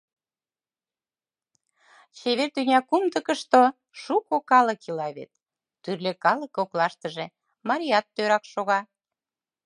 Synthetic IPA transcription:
t͡ɕeβert̪ynʲɑkumd̪əkə̆ʃt̪o | ʃukokɑləkilɑβḛt̪̚ː | yrlekɑlə̆koklɑʃt̪əʒe | mɑɾʲiɑt̪ːøɾɑkʃoɣɑ

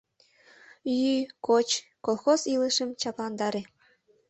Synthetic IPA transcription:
jykot͡ɕkolˠxoziləʃə̆mt͡ɕɑplˠɑnd̪ɑɾʲĕ

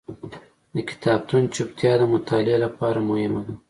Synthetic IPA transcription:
d̪əkʲɪ̥t̪ʰɑb̚t̪ʰunt͡ʃup̚t̪ʰjɑːd̪əmʊt̪ʰɑːlɪalapɑːɾamʊhɪmad̪a

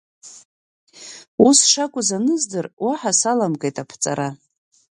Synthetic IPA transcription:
usʂakʷʼʊzanɨzdɨrwaħasalamɡʼejtʼapʰt͡sʼa̰ɾa

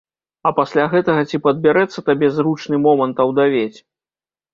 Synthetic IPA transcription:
ɐpasʲlʲaɣɛt̪ɐɣɐt͡sʲipɐd̪̚bʲɛɾɛt̪sːɐt̪abʲɛzɾut͡ʂnɨmɔmɐnt̪ɐwd̪avʲet͡sʲ

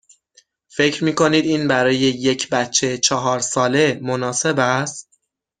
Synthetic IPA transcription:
fe̞cɾmiːkʰo̞niːd̪iːnbæɾɒːje̞je̞cʰbætt͡ʃʰːet͡ʃʰɒɦɒːɾsɒːle̞monɒːse̞bæst̪̚

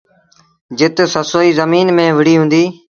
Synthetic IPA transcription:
d͡ʒɪt̪səsoːiːzəmiːnmẽːʋɪɽiːɦʊ̃ːnd̪iː

